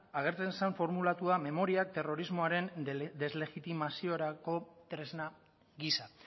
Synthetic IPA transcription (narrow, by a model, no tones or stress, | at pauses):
aɣ̞e̞ɾt͡se̞nsaɱfo̞ɾmulat̪uame̞mo̞ɾiak̚t̪e̞ro̞ɾizmo̞aɾe̞nd̪e̞zle̞ɣit̪imasio̞ɾako̞t̪ɾe̞zna | ɣisa